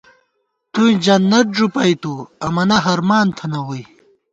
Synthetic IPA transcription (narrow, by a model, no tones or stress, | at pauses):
t̪ũd͡ʑɐnːɐt̪̚ʐupɐjt̪uɐmɐnɐɦɐɾmaːnt̪ʰɐnɐwuj